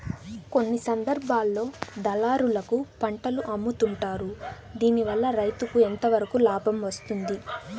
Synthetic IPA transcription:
ko̞nːisɐnd̪ɐɾbʱaːlːo̞ːd̪ɐlaːɾulɐkupɐɳʈɐluʔɐmːut̪uɳʈaːɾud̪iːniʋɐlːɐɾɐjt̪ukuent̪ɐʋɐɾɐkulaːbʱɐmʋɐst̪und̪i

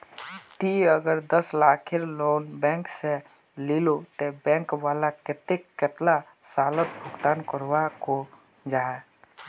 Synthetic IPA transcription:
t̪iəɡəɾd̪əslakʰeɾlonbɛ̃ŋksẽ | lilot̪ebɛ̃ŋkwalaket̪ekːet̪la | salət̪̚bʱuɡt̪ankəɾwako | d͡ʒaɛ

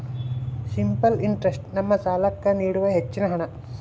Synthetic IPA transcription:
simpɐliɳʈɾesʈnɐmːɐt͡ʃaːlɐkːɐniːɽuʋɐɦet͡ʃːinɐɦɐɳɐ

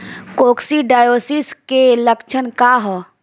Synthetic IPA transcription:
koːksiɖaːjoːsiskeləkt͡ʃʰənkaɦɔ

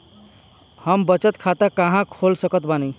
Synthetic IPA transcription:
həmbət͡ʃət̪kʰat̪akəɦãkʰolsəkət̪bani

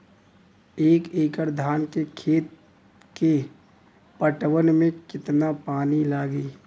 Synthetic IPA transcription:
eːkeːkəɾd̪ʱaːnkekʰeːt̪ | ke | pəʈwənmẽkɪt̪napaːnilaːɡiː

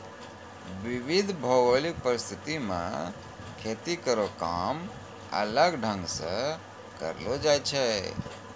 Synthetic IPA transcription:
ʋiʋid̪ʱbʱɔʋolik̚pəɾɪst̪ʰɪt̪imã̰ | kʰet̪ikəɾokaːm | ə̰ləɡɖʱə̃ŋɡsə̃ | kə̰ɾlod͡ʒaːt͡ʃʰɛ

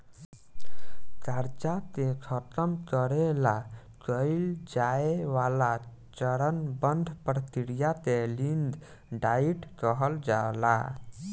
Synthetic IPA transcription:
t͡ʃəɾt͡ʃat̪ẽkʰət̪əmkəɾela | kəɪld͡ʒaeʋala | t͡ʃəɾənbənd̪ʱpɾət̪iɽijat̪ẽlind̪ | ɖaiʈkəɦəld͡ʒala̰

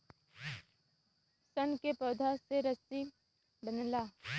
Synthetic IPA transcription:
sənkepɐd̪ʱaseɾəsi | bənlaː

